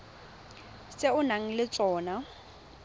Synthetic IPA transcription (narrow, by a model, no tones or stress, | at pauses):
sʼeʊnaŋ̩lɪt͡sʼɔːna